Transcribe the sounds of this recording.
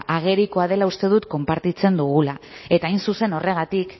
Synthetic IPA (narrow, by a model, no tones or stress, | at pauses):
ʔaɣ̞e̞ɾiko̞aðe̞laust̪e̞ðut̪ko̞mpaɾt̪it͡se̞nd̪uɣ̞ulae̞t̪aːjnsuse̞no̞re̞ɣ̞at̪ik